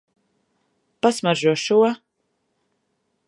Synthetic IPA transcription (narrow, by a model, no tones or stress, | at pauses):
pasmaʒuʃuɔ